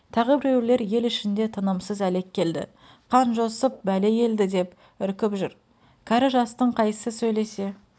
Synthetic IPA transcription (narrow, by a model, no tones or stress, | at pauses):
t̪ʰɑʁəbɪɾewɪɾle̞ɾje̞lɪʃɪnd̪e̞t̪ʰənəmsəzæle̞kʲʰːe̞ld̪ɪ̰ | qʰɑnʒo̞səp̚bæle̞je̞ld̪ɪd̪e̞p | ʏɾkʲɪpʒʏɾ | kʲʰæɾɪʒɑst̪əɴqʰɑjsəsɵjle̞se̞